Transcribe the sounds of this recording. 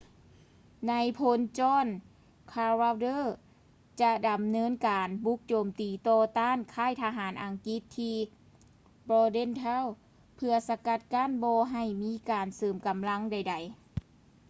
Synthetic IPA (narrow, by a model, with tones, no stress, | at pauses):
na˧˥jpʰo˧˥nt͡ɕɔː˧˥˩n | kʰaː˧ɾa˧wdɤː˧˥˨ | t͡ɕa˧da˨˩mnɤː˧˥˨nkaː˨˩nbu˧˦˥k̚t͡ɕoː˨mt̪iː˨˩t̪ɔː˧t̪aː˧˥˨nkʰaː˧˥˩jt̪ʰa˧ɦaː˩˦nʔa˨ŋki˧˦˥t̪ʰːiː˧ | bɔː˧de˧˥˨nt̪ʰɛ˧˥˨w | pʰɯ˧ɐsa˧ka˧˥t̪̚ka˧˥˨nbɔː˧ɦa˧˩jmiː˧˥kaː˨nsɤː˨˩mka˨˩mla˧˥ŋda˨˩jda˨˩j